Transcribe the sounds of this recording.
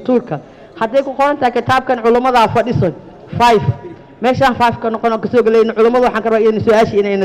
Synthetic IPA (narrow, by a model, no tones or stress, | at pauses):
t̪ʰuːrkʰɐ | hɐd̪ɛjkʰʊqɔɾɐnt̪ʰɐhijkʰɪt̪ʰaːb̚kʰɐnʕʊlʊmɐðɐfɐɖɪsɔn | fajf | mɛːʃaːnfajfkʰɐnɔqɔnɔːkɐsɔːɡɐlɛjnʕʊlʊmɐðʊwɑħɑːŋkʰɐrɐbaːɪnɪsʊæːʃɐɪnɛjnɐ